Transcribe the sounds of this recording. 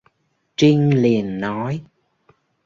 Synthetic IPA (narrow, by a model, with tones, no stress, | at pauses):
t͡ɕi˧ŋ̟li˨˩ənːɔ˨˦j